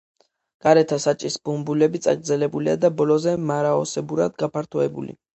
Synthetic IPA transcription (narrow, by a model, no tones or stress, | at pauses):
ɡ̥aɾɛt̪ʰasat͡ʃʼisb̥umbulɛbit̪sʼa̰ɡɾdzɛlɛbulia̰d̪abɔlɔzɛmaɾaɔsɛbuɾad̪ɡapʰaɾt̪ʰɔɛbṵlḭ